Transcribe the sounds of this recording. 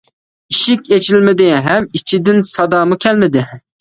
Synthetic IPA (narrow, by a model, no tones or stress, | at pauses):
iʃikʲet͡ʃʰilmɪd̪ɪɦɛmit͡ʃʰid̪ɪnsɑd̪ɑːmukʲʰɛlmɪd̪ɪ